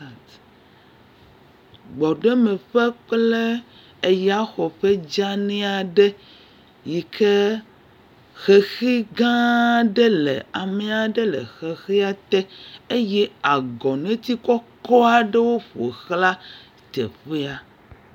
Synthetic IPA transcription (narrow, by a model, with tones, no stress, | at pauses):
ɡ͡bɔ˨ɖe˦mẽ˨ɸe˦k͡ple˦ | e˦ja˦xɔ˨ɸe˦d͡ʒa˦nɛ̃˦a˨ɖe˦ | ji˨kʰe˦ | xe˨xi˦ɡã˦ɖe˦lḛ˨a˨me˨a˨ɖe˦lḛ˨xe˨xi˦a˨t̪ɛ˦e˦jɛ˦a˨ɡɔ˨nẽ˦t̪i˦kɔ˦kɔ˦a˨ɖe˦wo˦ɸo̰˨xla˦ | t̪ḛ˨ɸe˦a˨